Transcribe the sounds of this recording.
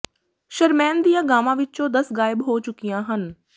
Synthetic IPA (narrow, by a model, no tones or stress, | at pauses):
ʃɐɾmɛ̃ːnd̪ijãɡaːmãʋɪt͡ʃod̪ɐsɣaːɪbɦot͡ɕʊkijãɦənɪ̆